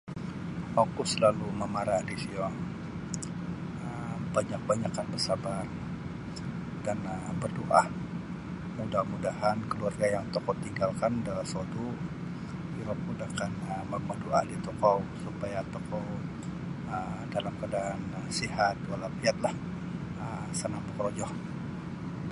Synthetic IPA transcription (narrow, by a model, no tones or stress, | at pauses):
fokusəlaluməmaɾadisiɔŋ | əbaɲak̚baɲakanbərsabar | danəbərdoʔa | mudahmudahankəluarɡajaŋt̪ɔkɔwt̪iŋɡalkandalasot̪u | biɾɔp̚mudakanəməmədoʔa̰dit̪ɔkɔwsupajat̪ɔkɔw | ədalamkadaan | sihat̪̚walapiat̪̚lah | əsənambɔkɾod͡ʒɔh